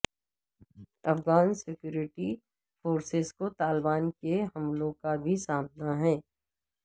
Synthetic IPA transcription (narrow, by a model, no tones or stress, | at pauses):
ɐfɡaːnsɪkjuːɾɪʈi | foːɾsɪzkot̪aːlbaːnkeɦɐmlõːkabʱisaːmnaɦɛ̃ː